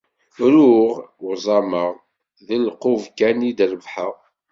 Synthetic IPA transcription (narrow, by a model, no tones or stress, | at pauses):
ɾuʁwzˤɑməʁ | ðəlqovkænid̪ɾəvħəʁ